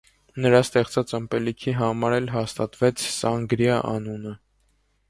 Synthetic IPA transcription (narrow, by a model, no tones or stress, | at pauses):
nəɾɑst̪ɛχt͡sɑt͡səmpɛlikʰiɦɑmɑɾɛlɦɑst̪ɑt̪vɛt͡sʰsɑŋɡɾjɑʔɑ̰nunə